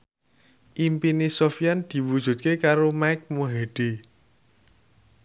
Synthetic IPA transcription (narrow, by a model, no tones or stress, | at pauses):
ʔimpinisofijand̪̥i̤wud̥ʒ̥ṳt̪̚kekaɾomaɪk̚muɦeɖ̥i